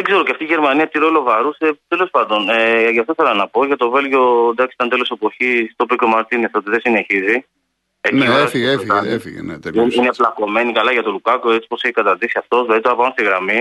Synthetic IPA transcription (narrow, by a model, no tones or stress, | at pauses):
ðeɡze̞ɾoceɐft̪iːʝe̞ɾmɐniɐt̪iɾolo̞vɐɾuse̞t̪e̞lo̞spɐnd̪o̞neʝɐft̪oi̥θe̞lɐnɐpo̞ʝɐt̪o̞ve̞lʝo̞nd̪ɐksi̥t̪ɐnt̪e̞lo̞se̞po̞çist̪opikomɐɾt̪inesot̪iðe̞sine̞çizi | eniɾɐsfiefiɐefḭnḛt̪ineplɐko̞me̞nikɐlɐʝɐt̪olukɐkoet͡si̥po̞seçi̥kɐt̪ɐɾðisiɐft̪o̞zðlɐðit̪ɾɐpɐmɐnst̪iɣɾɐmi